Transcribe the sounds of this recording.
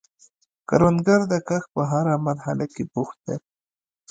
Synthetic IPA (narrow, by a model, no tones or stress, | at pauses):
kaɾwand̪ɡaɾd̪akaxpəɦaɾamaɾɦalakebuxt̪̚d̪e